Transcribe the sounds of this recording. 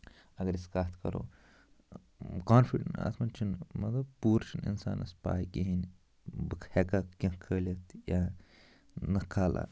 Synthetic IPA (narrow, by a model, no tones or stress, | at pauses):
ɐɡɐɾiskaːt̪ʰkɐɾo̰ː | kaːnfiɖɐnɐ̰t̪ʰmɐnt͡ʃʰinmɐt̪ɐbpuːɾt͡ʃʰinḭnsa̰ːnɐ̰spa̰ːikiɦin | bɨkʰhekakʲɐ̃kʰəːlʲɐt̪ʰja | nɐkʰaːla̰